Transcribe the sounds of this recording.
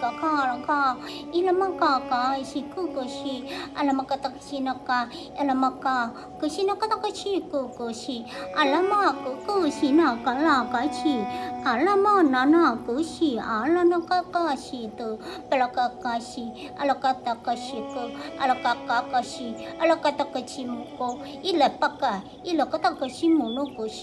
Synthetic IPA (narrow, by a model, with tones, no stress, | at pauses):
ka˨kʰa˧la˨ka˧i˦la˧ma˦ka˧ka˧ʃi˧ku˦ko˧ʃi˧ʔa̰˧la˧ma˧ka˧t̪a˧kḁʃi˧na˧ka˧ | a˧la˧ma˧ka˧ | kə˧ʃi˦na˦ka˦t̪a˦ka˦t͡ʃi˦˧ku˧ko˧ʃi˧a˨la˦ma˧ku˨˦kə˧ʃi˧na˧˨ka˨˧˦la˧˨ka˨˧jt͡ʃʰi˧ʔa˨˦la˦ma˦na˨na˧˨kə˨˦ʃi˧a˨˦la˦na˧ka˦ka˦ʃi˧t̪ə˧pɛ˧la˧ka˧ka˧ʃi˧ | ʔa˧la˧ka˧t̪a˧ka˧ʃi˧kə˧a˧la˧ka˧ka˧ka˧ʃi˧a˦˧la˧ka˧t̪a˧ka˧t͡ʃi˧mu˧ko˧ | i˦lɛ˨pa˦ka˧˨ | i˦lə˨ka˦t̪a˦kə˧ʃi˦mu˨nu˦ku˨˦ʃi̥˧